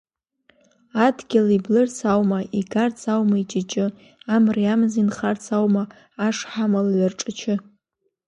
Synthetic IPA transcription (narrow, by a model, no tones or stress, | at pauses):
adɡʲɪliblɨrt͡sʰawmaʔiɡart͡sʰawmait͡ʃʼɪt͡ʃʼɪ | amriamzinχart͡sʰawmaː | ʂħamalaʕʷarʈ͡ʂʼat͡ʃʰɪ